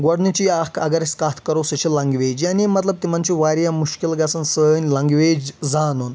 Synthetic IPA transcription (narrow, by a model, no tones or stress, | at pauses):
ɡɐɽnit͡ɕiakʰɐɡɐɾeskat̪ʰkəɾosɐt͡ɕʰilɐŋɡʋeːd͡ʑjanimɐt̪ləb̚t̪imant͡ɕiʋaɾjamuʃkilɡat͡sɐnsənʲlɐŋɡʋed͡ʑd͡zanun